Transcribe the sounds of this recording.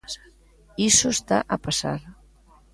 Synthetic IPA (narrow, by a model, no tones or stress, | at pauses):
isost̪aʔəpasa̰ɾ